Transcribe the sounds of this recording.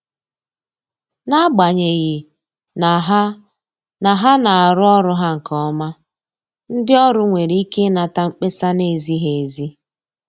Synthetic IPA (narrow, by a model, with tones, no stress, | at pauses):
na˦ɡ͡ba˨ɲe˨ɣɪ˨ | na˨ɦa˦ | na˨ɦa˦na˨a˨ɾʊ˦ɔ˦ɾʊ˦ɦa˦ŋ̩˨kɔ˦ma˦ | n̩˦dɪ˦ɔ˦ɾʊ˦ŋʷe˨ɾi˦i˦ke˦na˨ta˦ŋ͡m̩˦k͡pe˦sa˦ne˨zi˦ɦe˨e˨zi˦